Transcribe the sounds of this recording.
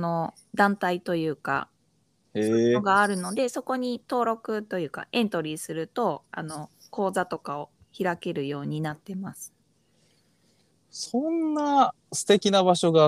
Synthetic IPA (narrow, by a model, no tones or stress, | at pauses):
no̞ | d̪ãnt̪ait̪o̞jɯ̟ːka̰ | oɡaːɾɯ̟no̞d̪e̞so̞ko̞ɲ̟it̪o̞ːɾo̞kɯ̟t̪o̞jɯ̟ːka̰ʔẽ̞nt̪o̞ɾʲisɨɾɯ̟t̪o̞a̰no̞ko̞ːzat̪o̞kao̞ | çiɾake̞ɾɯ̟jo̞ːɲ̟inat̪ːe̞masɨ̥ | sõnːa | sɨ̥t̪e̞kʲinabaɕo̞ɡa